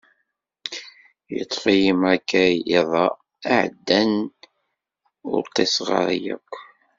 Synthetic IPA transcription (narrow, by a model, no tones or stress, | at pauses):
jət̪ˤːfijimækːæiðˤɑ | aʕd̪ːæn | ʊ̰ɾt̪ːesʁə̰ɾjæ̰kʷː